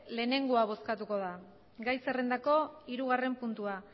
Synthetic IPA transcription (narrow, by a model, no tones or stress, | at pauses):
le̞ːne̞ŋɡoaβ̞o̞skat̪uko̞ða | ɡajse̞re̞nd̪ako̞iɾuɣ̞are̞mpunt̪ua